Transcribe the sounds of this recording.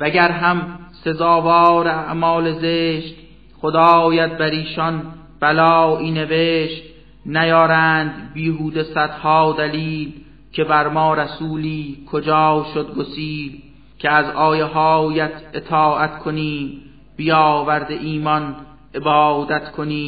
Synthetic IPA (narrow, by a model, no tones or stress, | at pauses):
væɟæɾɦæmse̞zɒːvɒːɾeæʔmɒːlezeːʃt̪ | χod̪ɑːjæt̪̚bæɾiːʃɒn | b̥ælɒːiːne̞veːʃt̪ | næjɒːɾæːnd̪biːɦuːd̪e̞sæd̪̥hɒːd̪æliːl | kʰe̞bæɾmɒːɾæsuːliːkʰod͡ʒɒːwʃod̪̚ɡosiːl | cʰeæzɒːjeɦɒːjæt̪ʰe̞t̪ʰɒːʔæt̪kʰoniːm | bijɒːvæɾd̪eʔiːmɒn | ʔe̞bɒːd̪æt̪kʰoniː